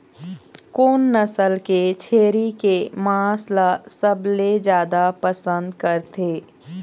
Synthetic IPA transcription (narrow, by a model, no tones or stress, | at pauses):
koːnːɐsəlket͡ʃʰeːɾikemaaːslasəbled͡ʒjaːd̪apəsə̃nd̪kəɾt̪eː